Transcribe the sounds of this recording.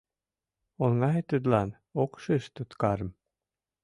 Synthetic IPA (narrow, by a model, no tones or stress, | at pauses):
olŋɑɦet̪ːəd̪lɑn | okʃɨʃt̪ut̪kɑɾə̆m